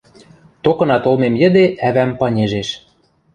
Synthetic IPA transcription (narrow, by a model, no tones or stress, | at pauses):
t̪okɤ̆nɑt̪olmemjə̆d̪eʔæβæmpɑnʲeʒeʃ